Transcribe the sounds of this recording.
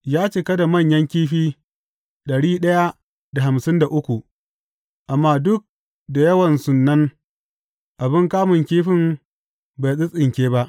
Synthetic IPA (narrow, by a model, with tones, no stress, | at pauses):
jaː˦t͡ʃeː˦kɐ˦da˨mɐ˦˨ɲjɐ˦ŋkʲiː˦ɸiː˦ | ɗɐ˨ɽiː˦ɗɐ˦ja˦ | da˨ɦa˨msɪ˦nda˨ʔʊ˦kʷu˨ | ʔa˨mːaː˦dʊ˦k̚ | da˨jɐ˦wɐ˨nsʊ˨nːɐ˦n | ʔa˨bɪ˦ŋkaː˦mʊ˨ŋkʲiː˦ɸɪ˦m | ba˨sʼɪ˦sʼɪ˨ŋkʲeː˦ba˦ʔ